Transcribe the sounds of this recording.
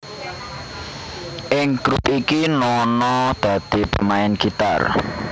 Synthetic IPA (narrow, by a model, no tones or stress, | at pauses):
ʔɪŋɡ̥ɾupikinɔnɔd̪̥a̤d̪̥i̤pə̰maɪnɡ̥it̪a̰r